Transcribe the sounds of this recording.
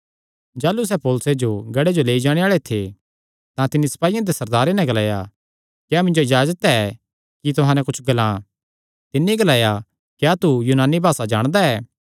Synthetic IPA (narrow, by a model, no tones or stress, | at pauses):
d͡ʒaːlus̬ɛːpɔːlʊsed͡ʒoɡɐɽed͡ʒoleːid͡ʒaːɽ̃eaːɭet̪ʰe | t̪ãt̪ɪnːisɐ̥paːijãd̪esɐɾd̪aːɾenɛ̃ɡɐlaːja | kjaːmɪ̃ɲd͡ʒoɪd͡ʒaːd͡ʒət̪ɛɛ | kit̪ʊɦãːnɛ̃kʊt͡ʃʰɡɐlãː | t̪ɪnːiɡɐlaːja | kjaːt̪ujuːnaːnːibʱaːsad͡ʒa̰ːɽ̃d̪aɛː